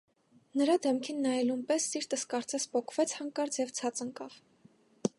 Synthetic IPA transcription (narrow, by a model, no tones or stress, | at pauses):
nəɾɑd̪ɛmkʰinːɑjɛlunpɛsːiɾt̪əskɑɾt͡sɛspʰɔkʰv̥ɛt͡sʰhɑŋkɑɾt͡sjɛvt͡sʰɑt͡səŋkɑv̥